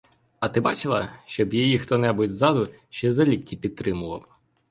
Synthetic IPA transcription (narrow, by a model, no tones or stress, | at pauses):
ɐt̪ɪbɑt͡ʃɪlˠɐʃt͡ʃɔbjɔjixt̪ɔnɛbʊtʲzɑd̪ʊ | ʃt͡ʃɛzɐlʲitʲːipʲid̪̚t̪ɾɪmʊʋɐ̰w